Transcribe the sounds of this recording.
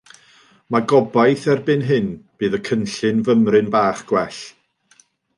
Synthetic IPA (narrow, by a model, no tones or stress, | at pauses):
maɡɔbajθɛrbɨnɦɨnb̥ɨːðəkʰənɬɨnvəmrɨnbaːχɡ̥wɛɬ